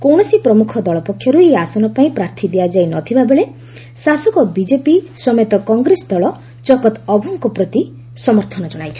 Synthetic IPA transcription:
kɔwɽ̃ɔsipɾɔmukʰɔd̪ɔɭɔpɔkʰːjɔɾueasɔnɔpaĩpɾaɾt̪ʰid̪ead͡ʒajnɔt̪ʰibabeɭe | sasɔkɔbid͡ʒepisɔmet̪ɔkɔŋɡɾesɔd̪ɔɭɔ | t͡ʃɔkɔt̪ɔbʱɔŋkɔpɾɔt̪i | sɔmɔɾt̪ʰɔnɔd͡ʒɔɽ̃ajt͡ʃʰɔ̥

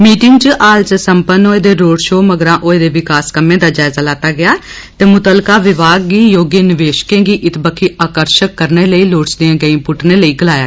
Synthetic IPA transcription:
miːʈɪŋɡt͡ʃəʔaːlt͡ʃsəmpənoːeːd̪eːɾoːɖʃoːməɡɾãːʔoːeːd̪eːʋɪkaːskəmẽːd̪aːd͡ʒaːɪzaːlaːt̪aːɡɪjaː | t̪eːmʊt̪əlkaːʋɪʋaːɡ̚ɡiːjoːɡeːnɪʋeːʃkẽːɡiːʔɪt̪bəkʰːiːʔaːkəɾʃəkːəɾneːləiːloːʈsd̪ijãːɡəĩpʊʈneːləiːɡəlaːjaː

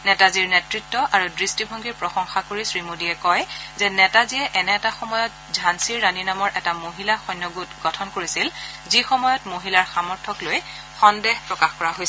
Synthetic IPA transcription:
nɛtaziɹnɛtɹitːɔʔaɹudɹistibʱɔŋɡiɹpɹɔxɔŋxakoɹisɹimodiɛkɔjzɛnɛtaziɛʔɛnɛːtaxɔmɔjɔt̚ | zʱansiɹːaninamɔɹʔɛtamoɦilaxɔjnːɔɡutɡɔtʰɔnkoɹisilzixɔmɔjɔtmoɦilaɹxamɔɹtʰɔkloj | xɔndɛɦpɹɔkaxkɔɹaɦojs

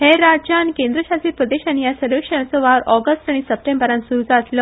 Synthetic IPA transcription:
heɾad͡ʑankẽnd̪ɾəɕasiːɾpɾəd̪eɕanijasəɾʋekʂəɳ̃ãt͡səʋaɾɔɡəsʈaɽ̃isəp̚ʈẽmbəɾãnsuɾud͡zaəslə

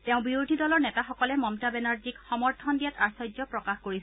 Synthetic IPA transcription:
tɛʊ̃biudʱidɔlɔɹnɛtaxɔkɔlɛmɔmtabɛnaɹd͡ʒikxɔmɔɹtʰɔndijataɹsɔjd͡ʒzɔpɹɔkaxkoɹis

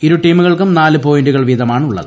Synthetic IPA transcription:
iɾuʈiːmuɣɐɭkumnaːlɨpo̞ːjnduɣɐɭʋid̪ʱɐmaːɳuɭːɐ̰ðɨ

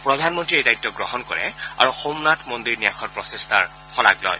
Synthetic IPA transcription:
pɹɔdʱanmɔntɹiejdajitːɔɡɹɔhɔnkɔ̰ɹɛ̰a̰ɹuxomnatʰmɔndiɹnijaxɔt̚pɹɔsestʰaɹ | xɔla̰klɔ̰j

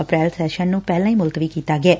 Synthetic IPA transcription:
əpɾɛːlsɛʃənːũːpɛɦlãĩːmʊlt̪ʋiːkiːt̪aɡɛː

